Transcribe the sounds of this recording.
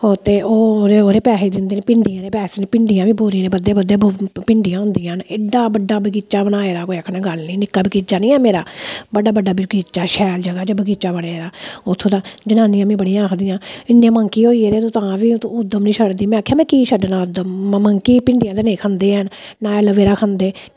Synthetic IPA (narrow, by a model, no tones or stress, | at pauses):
hoːt̪eːoːɾeːoːɾeːpɛːseːd̪ɪnd̪eːneːpɪɳɖijãːɾeːpɛːseːneːpɪɳɖijãːʋiːboːɾinẽːbəd̪eːbəd̪eːbpɪɳɖijãːɦʊ̃nd̪ijãːneːɖaːbəɖːaːbəɡiːt͡ʃaːbəɽaːeːɾaːkoːiəkʰnãːɡəlniːnɪkːaːbikit͡ʃaːnĩːɛːmeːɾaːbəɖaːbəɖːaːbəɡiːt͡ʃaːʃɛːld͡ʒəɡaːd͡ʒaːbəɡiːt͡ʃaːbəɽaːeːɾaːʊt̪ʰːõːt̪ãːd͡ʒənaːnĩjãːmĩːbəɽijãːkʰd̪ijãːɪnːẽːməŋkiːoːiːeɾeːt̪õːt̪ãːʋiːʊd̪ːəmnĩːʃəɽd̪iːmɛ̃ːaːkʰjaːmɛ̃ːkiːʃəɖnaːʊd̪əmməŋkiːpɪɳɖijãːd̪eːnẽːkʰə̃nd̪eːɛn | naːɛləʋeːɾaːkʰə̃nd̪eː